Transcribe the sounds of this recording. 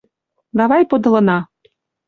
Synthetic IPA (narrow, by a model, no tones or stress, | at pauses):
d̪ɑβɑjpod̪ɤ̆lɤ̆nɑ